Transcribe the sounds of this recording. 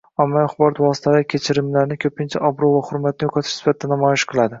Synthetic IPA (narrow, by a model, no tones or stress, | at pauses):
amːajaχbɒɾɒt̪vɒsɪ̥t̪ʰalaɾkʲʰe̞t͡ʃʰɪɾɪmlaɾnɪkʲʰɵpʰɪnt͡ʃʰaʔɒbɾovaχhʊɾmat̪̚nɪjoqʰɑt̪ʰɪ̥ʃsɪ̥fat̪̚ʰɪd̪anamɒjɪʃqʰɨlˠad̪ɪ